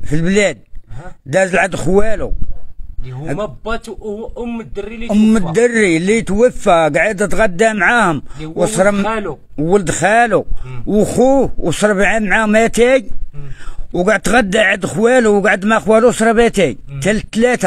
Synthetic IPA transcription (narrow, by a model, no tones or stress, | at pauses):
filblæd̪̚d̪æzlʕəd̪xwælu | ʊmmːəd̪ːərːilit̪wəfːæɡaʕəd̪t̪ɣæd̪ːamʕahʊmwsˤɾˤ | wələd̪xæluwxuwsˤɾˤbʕamʕamæt̪iɡ | wɡaʕəd̪̚t̪ɣæd̪ːaʕəd̪xwæluwɡaʕəd̪mæxwælusˤɾˤbæt̪iɡ̚t̪ælət̪ːlæt̪æ